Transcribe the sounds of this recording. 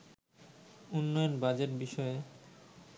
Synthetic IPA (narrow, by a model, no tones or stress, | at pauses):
unːɔjonbad͡ʑeʈbiʃɔe